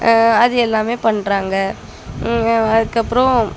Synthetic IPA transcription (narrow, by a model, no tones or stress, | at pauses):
ɐðɯɛlːaːmeːpɐɳɾaːŋɡɐ | ɐðɯkːɐpːɯɾõ